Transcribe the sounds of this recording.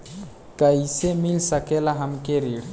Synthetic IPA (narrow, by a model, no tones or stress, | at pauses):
kəisemilsəkelaɦəmkeɾiɽ